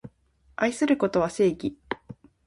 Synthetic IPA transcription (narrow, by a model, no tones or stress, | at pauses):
aisɨɾɯ̟ko̞t̪o̞β̞ase̞ːɡʲi